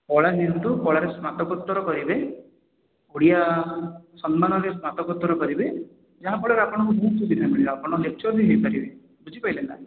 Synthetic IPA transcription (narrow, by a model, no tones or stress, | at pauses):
pɔɭanint̪ukɔɭaɾesmat̪ɔkɔt̪ːɔɾɔkɔɾibe | uɽija | sɔnmanɔɾesmat̪ɔkɔt̪ːɔɾɔkɔɾibe | d͡ʒaɦãpɔɭaɾeapɔɽ̃ɔkubʱuːt̪ud̪iɾnabaɽilapɔɽ̃ɔ̃et͡ʃʰɔbʱiɦejpaɾibe | bud͡ʒʱipajlend̪a̰